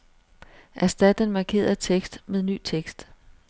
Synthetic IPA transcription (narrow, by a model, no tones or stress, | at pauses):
ʔæsd̥æd̥ənmɑ̈kʰe̝̰ːɐt͡sʰeɡ̥sd̥meðˠny̰ːt͡sʰeɡ̥sd̥